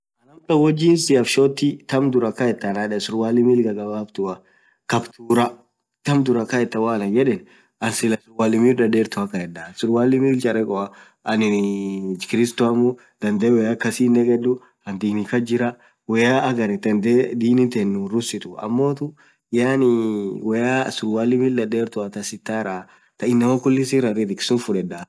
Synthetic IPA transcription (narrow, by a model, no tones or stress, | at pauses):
ʔɐnɐmt̪ɐwɔd͡ʒːiːnsɪɐfʃoːt̪ːɪt̪ɐmd̪ʊɾɐkɐɛt̪ːɐnɐᶑɛsʊɾwaːlɪmiːlɡɐɡɐbaːbt̪ʊɐ | kɐbt̪uːɾɐ | t̪ɐmd̪ʊɾɐkɐɛt̪ːɐwaːlɐd͡ʒɛᶑɛn | ʔɐnsɪlɐsʊɾwaːlɪmiːlᶑɐdeːɾt̪ʊɐkːɐɛᶑɐsʊɾwaːlɪmiːlt͡ʃɐɾɛkʼɔɐ | ɐnɪ | kɪɾɪst̪oɐmʊ | d̪̥ɐnd̪eːwɛjakɐsiːnːɛkʼɛd̪ʊ | hɐnd̪iːnɪkɐd͡ʒɪɾɐ | wɛjaɐɡɐɾɪd̪ɐnd̪eːd̪iːnɪnt̪ɛnːʊɾʊsɪt̪ʊɐ̰mːoːt̪ʊ | jaːnɪwɛjasʊɾwaːlːɪmild̪ɐdeːɾt̪ʊɐt̪ɐsɪt̪ːaːɾaː | t̪ɐɪnːɐmokʊlːɪsiɾɐrɪt̪ɪkɪ̥sʊnfʊᶑɛd̪a